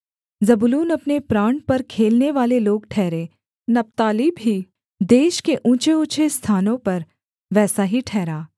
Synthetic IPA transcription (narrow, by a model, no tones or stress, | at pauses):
zɐbʊluːnɐpnepɾaːɳpɐɾkʰeːlneʋaːleloːɡʈʰɛːɾẽː | nɐp̚t̪aːlibɦi | d̪eːʃkeʔũːt͡ʃeʊt͡ʃʰest̪ʰaːnõpɐɾ | ʋɛːsaɦiʈʰɛːɾaː